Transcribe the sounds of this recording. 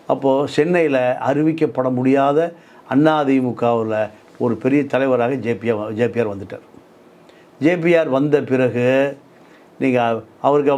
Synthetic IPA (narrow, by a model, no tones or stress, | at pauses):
ɐpːoːsɛnːɐjɪlɐɐɾɪʋɪk̬ːɐpːɐɽɐmʊɽɪjaːðɐ | ɐnːaːðimʊkːaːʋɪlɐ | ɔɾɯpɛɾɪjɐt̪ɐlɐɪʋɐɾaːɣɐd͡ʒeːpɪjaːd͡ʒeːpɪjaːɾʋɐnd̪ɯʈːa̰ːɾ | d͡ʒeːp̬ɪjaːɾʋɐnd̪ɐpɪɾɐɣɯ | niːŋɡɐɐʋɐɾɯkːɐ